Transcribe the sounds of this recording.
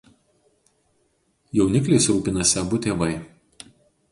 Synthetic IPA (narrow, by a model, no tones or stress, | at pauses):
jɛʊnʲɪklʲeːsɾuːpʲɪnɐsʲɛbʊt̪ʲeːʋɐɪ